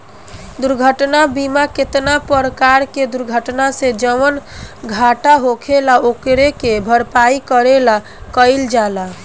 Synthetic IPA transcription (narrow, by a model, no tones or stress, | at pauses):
d̪uɾɡʱəʈnabimaket̪napəɾəkaɾked̪uɾɡʱəʈnased͡ʒəʋənɡʱaʈaɦokʰelaokɾekebʱəɾpaikəɾela | kəɪld͡ʒala